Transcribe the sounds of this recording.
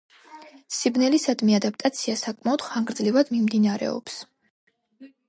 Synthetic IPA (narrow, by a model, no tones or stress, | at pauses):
sibnɛlisad̪miad̪ap̚t̪ʼat̪sʰiasakʼmaɔd̪̥χaŋɡɾd̪zlivad̪mimd̪inaɾɛ̰ɔ̰ps